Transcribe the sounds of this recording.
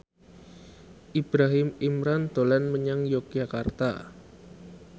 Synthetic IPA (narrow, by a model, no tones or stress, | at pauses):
ʔib̥ɾaɦɪmimɾand̪̥o̤lɛnməɲaŋjok̚ʒakart̪a̰